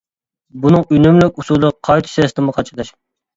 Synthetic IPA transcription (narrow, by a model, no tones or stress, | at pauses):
bunɨŋynymlykʲusulˠd̪əʁqʰɑjt̪ʰɨ̥sɛst̪ʰɨmʊqʰɑt͡ʃʰɨd̪ɑʃ